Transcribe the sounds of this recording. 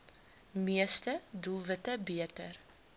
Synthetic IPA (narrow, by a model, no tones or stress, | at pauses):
miəstədulˠvətəbiətər